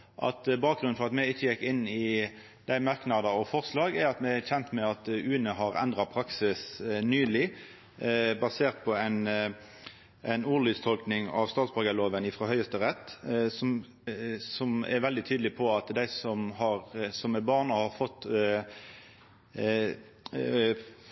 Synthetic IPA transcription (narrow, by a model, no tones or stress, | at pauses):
ʔɑ̰t̪bɑːk̚ɡɾʉnnfɔʁɑt̪mɛɪçːəjɛkːɪnːɪ | d̪̥æɪmɑʁknɑd̪ɑɔfɔʁslɑːɡɛɾɑt̪mɛçɛnt̪mɛɑt̪ʉːənəɦɑʁɛ̰nd̪ʁɑpʰɾɑksɪsnyːlɪ | bɑseːʁt̪̚pʰɔɛɪn | ʔæɪnuːlʏːst̪ʰɔlknɪŋɑ̰ʋst̪ɑːt̪sbɑɡəloːʋənɪfʁɑːhœʏəst̪əʁɛt̪ːsɔm | sɔmɛ̰ɾʋɛld̪ɪt̪ʰyːd̪lɪpʰɔɑt̪d̪æɪsɔmhɑɾsɔmɛbɑːʁnəhɑʁfɔt̪ː